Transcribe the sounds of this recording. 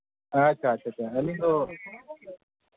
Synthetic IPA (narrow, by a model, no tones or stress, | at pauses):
at͡ɕʰat͡ʃʰat͡ɕʰaɐlĩɡo